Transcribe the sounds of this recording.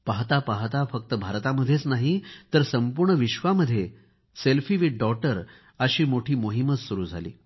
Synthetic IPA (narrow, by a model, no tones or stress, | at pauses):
paɦt̪apaɦt̪afək̚t̪əbʱaɾt̪aməd̪ʱːjet͡snaɦit̪əɾsəmpuɾɳəʋiɕʋaməd̪ʱːje | selfiʋiʈ̚ɖɔʈəɾ | əɕiːmoʈʰiːmoɦimət͡ssuɾuːd͡zʱalḭː